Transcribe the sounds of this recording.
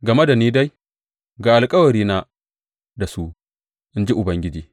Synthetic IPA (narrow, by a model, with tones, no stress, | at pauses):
ɡɐ˨me˦da˨niː˦da˦j | ɡaː˨ʔa˨lkʼɐ˦wɐ˨ɾiː˦na˦ | da˨su˦ʔ | ʔɪ˦nd͡ʒi˦ʔʊ˨bɐ˦ŋɡʲɪ˦d͡ʒiː˨